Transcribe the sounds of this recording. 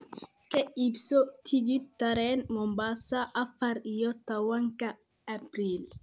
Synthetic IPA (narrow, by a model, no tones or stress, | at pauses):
kɛipsotʰiɡitaɾɛnmɔmbasaʔapaɾijɔt̪ːawaŋka | apɾil